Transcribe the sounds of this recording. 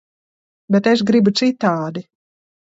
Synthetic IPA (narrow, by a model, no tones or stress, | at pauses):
bɛt̪eʃɡɾibut̪sit̪ːaːd̪i